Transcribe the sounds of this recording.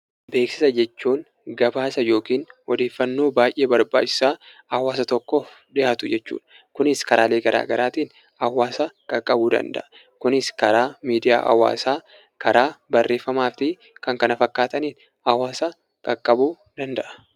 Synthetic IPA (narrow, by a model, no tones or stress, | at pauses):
be̞ːksɪ̥sɐd͡ʒɛt͡ʃːuːŋ | ɡɐbaːsɐjo̞ːkiːnʔɔd̪e̞ːfːɐnːo̞ːbaːjʔe̞ːbɐɾba̰ːt͡ʃːɪ̥saː | ɐwaːsɐt̪ɔkːɔ | ᶑɪʔaːt̪ʊd͡ʒɛt͡ʃːṵːᶑ | kʊnɪskɐɾʔaːleːɡɐɾʔa̰ːɡɐɾaːt̪iːn | hɐwaːsɐkʼɐkʼːɐbuːd̪ɐ̰nd̪ɐ̰ʔɐ | kʊnɪskɐɾaːmiːd̪ɪja̰ːʔɐ̰wa̰ːsaː | kʰɐɾaːbɐrːe̞ːfːɐmaːft̪ɪ | kɐŋkɐnɐfɐkːaːt̪ɐniːn | ɐwaːsɐ | kʼɐkʼːɐbuː | d̪ɐnd̪ɐʔɐ̥